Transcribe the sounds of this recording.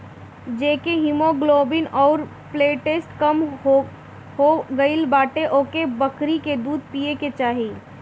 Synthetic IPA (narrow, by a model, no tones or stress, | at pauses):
d͡ʒeːkeɦɪmoɡloːbɪnɔːɾ | pleːʈesʈkəm | ɦoɡəɪlbaːʈeʔoːkebəkɾiked̪uːd̪̚ʱpiːeket͡ʃaːɦi